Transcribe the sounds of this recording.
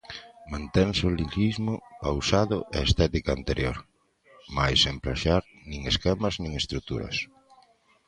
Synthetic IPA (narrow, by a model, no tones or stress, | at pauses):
mãnt̪eŋsoliʎizmʊpawsaðʊʔḛest̪ɛt̪ikaant̪eɾjo̰ɾ | majsempɾaʃaɾ | nĩŋeskɛmaznĩŋest̪ɾut̪ṵɾɐ̰s